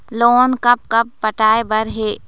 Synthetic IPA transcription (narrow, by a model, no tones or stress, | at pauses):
loːnkɐp̚kɐp̚ːɐʈaːebɐɾɦeː